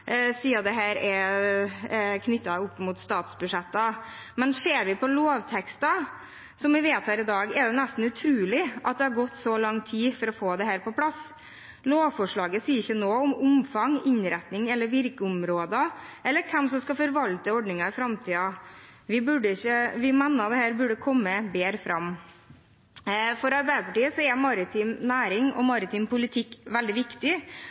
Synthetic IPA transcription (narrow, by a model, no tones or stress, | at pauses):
siːɑd̪ɛɦæːɾɛ | kʰnʏt̪ːɑʊpːmuːt̪st̪ɑːt̪sbʉʂɛt̪ːɑ | mɛnseːɾʋɪpʰɔloːʋt̪ʰɛkst̪ɑ | sɔmʋɪʋeːt̪ʰɑːɾɪd̪ɑːɡɛɖɛnæst̪n̩ʉt̪ʰɾʉːlɪʔɑ̰t̪̚d̪ɛhɑɾɡɔt̪ːsɔlɑŋːt̪ʰiːfɔɾɔfoːd̪ɛɦæːɾpɔpʰlɑs | loːʋfɔʂɭɑːɡəsiːəɾɪçːənoːɔmʊmfɑŋɪɲɾɛt̪nɪŋɛlːəɾʋɪɾkəʊmɾoːd̪əʔɛlːəɾkʰɛmsɔmskɑfɔɾʋɑlt̪əɔɖnɪŋɑɪfɾɑmt̪ʰiːɑʋɪbʉɖəɪçəʋɪmænəɑt̪̚d̪ɛhæːɾbʉɖəkʰɔmːəbeːɾfɾɑm | fɔɾɑɾbæɪd̪əpɑʈiːəsɔɛɾmɑɾɪt̪ʰiːmnæːɾɪŋɔ̰mɑɾɪt̪iːmpʰʊlɪt̪ʰɪkːʋɛld̪ɪʋɪkt̪ɪ